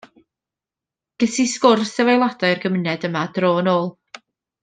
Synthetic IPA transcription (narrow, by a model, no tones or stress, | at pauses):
ɡ̥əsiskʊrsɛvajlˠadaɨrɡəmənɛdəmadroːnoːlˠ